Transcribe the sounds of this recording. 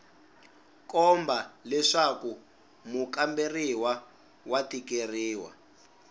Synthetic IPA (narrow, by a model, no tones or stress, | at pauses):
kɔmbalɛʂaku | mukamberiwa | watikeriːwa̰